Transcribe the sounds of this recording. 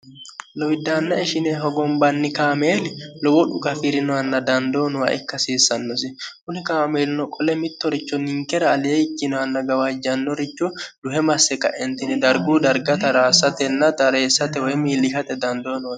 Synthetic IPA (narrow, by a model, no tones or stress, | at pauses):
lɔwɪd̪ːaːnːɐɪʃɪneɦɔɡɔmbɐnːɪkaːmeːlɪlɔwɔᶑʊkɐfɪɾɪnʊɐnːɐd̪ɐnd̪oːnʊwɐ̰ʔɛ̰kːɐsiːsːɐnːɔsɪkʊnɪkaːmeːlnɔkʼɔlɛmɪt̪ːɔɾɪt͡ʃːɔnɪŋkɛɾɐːlɪjeɪkːɪnʊɐnːɐɡɐwɐd͡ʒɐnːɔɾɪt͡ʃːɔd̪ʊhɛmɐsːɛkɐ̰ʔɛnt̪ɪnɛd̪ɐɾɡuːd̪ɐɾɡɐt̪ɐɾaːsɐt̪ɛnːɐt̪ɐɾe̞ːsːɐt̪ɛwɔjmiːlɪɦɐt̪ɛd̪ɐnd̪oːnʊwɐ